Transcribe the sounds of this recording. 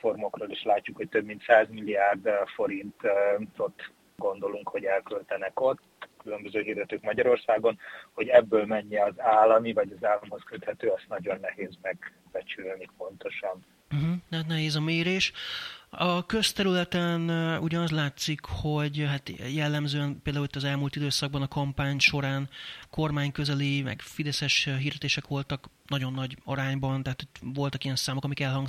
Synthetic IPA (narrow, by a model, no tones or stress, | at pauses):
fo̞rmo̞kroːliʃlaːcːukho̞c̚t̪øbmint̪saːzmilːiaːrd̪fo̞ɾint̪t̪ot̪ː | ɡo̞nd̪o̞luŋkho̞ɟɛlkølt̪ɛnɛko̞t̪ː | kylømbøzøːɦird̪ɛt̪øːkmɒɟɒɾo̞rsaːɡo̞nho̞ɟɛbːøːlmɛɲːɛɒzaːlːɒmivɒɟɒzaːlːɒmho̞skøt̪hɛt̪øːɒst̪nɒɟo̞nːɛheːzmɛɡ | b̥ɛt͡ʃylnipo̞nt̪o̞ʃɒn | m̩ɦm̩at̪nɛɦeːzɒmeːɾeːʃ | ɒkø̞st̪ɛɾylɛt̪ɛnuɟɒnɒzlaːt̪sikho̞ɟɦat̪jɛlːɛmzøːɛnpeːld̪aːulit̪ːɒzɛlmuːlt̪id̪øːsɒɡ̚bɒnɒkɒmpaːɲʃo̞ɾaːnko̞rmaːɲkø̞zɛlimɛ̰ɡfid̪ɛsɛʃɦiːrd̪ɛt̪eːʃɛkʋo̞lt̪ɒknɒɟo̞nːɒɟɒɾaːɲbɒnt̪ɛɦaːt̪ʰot̪ʋo̞lt̪ɒkijɛnsaːmokɒmikɛlɦɒŋɡ